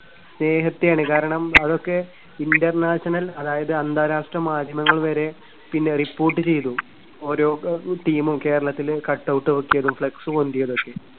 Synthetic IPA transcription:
sne̞ːɦɐt̪ːijaːɳɨkaːɾɐɳɐmɐðo̞kːe̞ | indɐrnaːɕɐnɐlɐðaːjɐðɨɐnd̪aːɾaːʂʈrɐmaːd̪ʱjɐmɐŋːɐɭʋɐɾe̞ | pinːe̞ripːo̞ːrʈːɨt͡ɕe̞jt̪u | oːɾo̞ːʈiːmumke̞ːɾɐɭɐt̪ːilkɐʈːɐwʈːɨʋɐkːijɐðumfɭɐksumond̪ijɐðo̞kːe̞

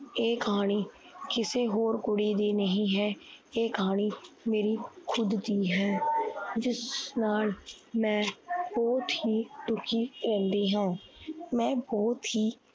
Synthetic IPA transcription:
eːkɦaːɽ̃iː | kɪseːɦoːɾɡʊɽiːd̪iːnəɦĩːɦɛːeːkɦaːɳ̃iːmeːɾiːkʰʊd̪d̪iːɦɛːd͡ʒɪsnaːl | mɛ̃ːbɔːt̪hiːɖʊkʰiːɾɛ̃ːnd̪iːɦãːmɛ̃ːbɔːt̪ɦiː

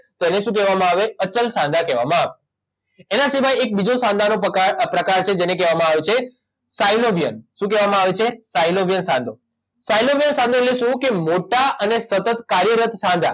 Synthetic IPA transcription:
t̪oeneʃũk̬ɛʋamãaʋeət͡ʃəlsãnd̪ʱakɛʋa̰mãaʋe | enasiʋajek̚bid͡ʒosãnd̪ʱanoapɾəkaɾt͡ʃʰed͡ʒenekɛʋamãaʋet͡ʃʰe | sajloʋijə̰nʃũkɛʋamãaʋet͡ʃʰesailoʋjənsãnd̪ʱo | sailoʋijənsãnd̪ʱoleʃũkemoʈaənesət̪ət̪kaɾjəɾət̪ʰsãnd̪ʱa̰

